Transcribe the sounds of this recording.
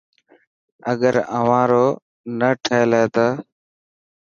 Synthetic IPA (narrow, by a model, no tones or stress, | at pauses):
əɠəɾə̰ʋãːɾoː | nəʈʰəeːleːt̪aː